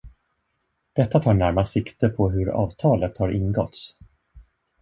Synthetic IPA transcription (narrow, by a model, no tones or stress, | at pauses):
d̪̥ɛt̪ːat̪ʰɑːɳæɾmasɪkt̪ʰəɾpʰɔɦɵɾɑ̰ːvt̪ʰɑːlət̪haɾɪnɡɔt̪s